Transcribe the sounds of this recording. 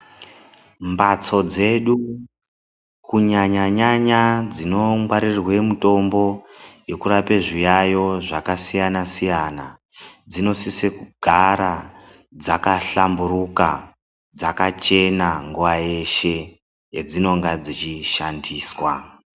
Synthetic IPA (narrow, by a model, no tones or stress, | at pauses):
mbat͡so̞d͡ze̞ɗu | kuɲaɲaɲaɲad͡zino̞mwaɾirwe̞muto̞mbo̞je̞kuɾapeʐijajo̞ʐakasijanasijana | d͡zino̞sisekuɡʱaɾa | d͡zakaɬamburuka̰ | d͡zakat͡ʃe̞naŋɡuʋajeʃe̞ | jed͡zino̞ŋɡad͡zit͡ʃiʃandiːswa̰